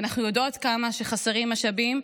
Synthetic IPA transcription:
naχnujodo̞tkamaʃeχaseʁimaʃabim

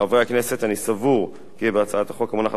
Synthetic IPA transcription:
avʁeakne̞se̞t̪anisavuʁ | kibeat͡saat̪aχo̞kamunaχa

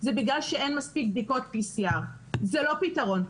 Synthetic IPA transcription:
zɛbiɡlalʃeenmaspik̚bd̪iko̞t̪̚bisijaʁ | zelo̞pitɐʁo̞n

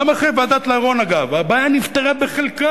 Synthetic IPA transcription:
amaχeʁvead̪at̪laaʁo̞naɡavabaːjanift̪eʁabeχelka

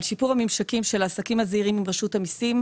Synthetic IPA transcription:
lʃipuʁamimʃakimʃelaːsakimaziʁimimʁaʃuthamisim

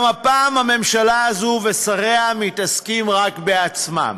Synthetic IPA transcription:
mapaːmame̞mʃalaːzuve̞saʁeamit̪askimʁakbeat͡sma̰m

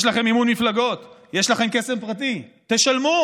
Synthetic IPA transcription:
ʃlaχe̞mimunmiflaɡo̞t̪jeʃlaχe̞mke̞se̞mpʁat̪̬it̪e̞ʃalmu

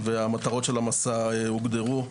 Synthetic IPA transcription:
veamat̪aʁo̞t̪ʃe̞lamasaeuɡd̪eʁu

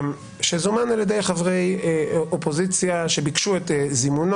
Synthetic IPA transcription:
ʃezumanaljedejχavʁejopozit͡sjaʃebikʃuetzimun

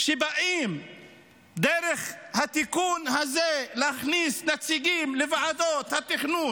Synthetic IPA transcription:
ʃebaʔim | d̪eɾeχhat̪ikunhazelehaχnisnat͡siɡimlevaʕad̪ot̪hat̪iχnun

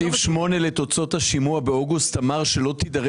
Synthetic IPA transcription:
ifʃmo̞ne̞le̞t̪o̞t͡so̞t̪haʃimuabeoɡustamaʁʃe̞lo̞t̪id̪aʁ

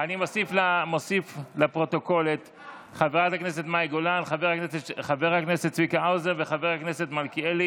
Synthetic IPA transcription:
animo̞siflamo̞siflapʁo̞t̪o̞ko̞let̪ | χaveʁatakneset̪majɡolanχaveʁaknesetχave̞ʁhakneset̪t͡svikaawzeʁveχaveʁhaknese̞t̪malkieli

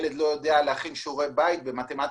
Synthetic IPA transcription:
led̪lo̞jod̪ealehaχinʃuʁebajit̪̚bemat̪emat̪

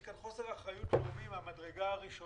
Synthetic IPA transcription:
kanχo̞se̞ʁaχajutumimamadʁe̞ɡaaʁiʃo

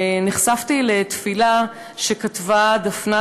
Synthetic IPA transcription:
niχsaftile̞t̪fila | ʃe̞katvad̪afna

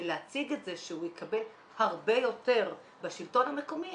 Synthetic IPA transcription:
leat͡siɡetzeʃeujekʰabe̞l | haʁbe̞jo̞te̞ʁ | baʃilto̞nhame̞ko̞mi

